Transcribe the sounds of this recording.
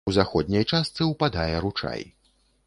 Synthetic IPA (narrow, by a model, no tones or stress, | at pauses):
wzaxɔd̪ʲnʲɐjt͡ʂast̪sɨwpad̪ajɛɾut͡ʂa̰j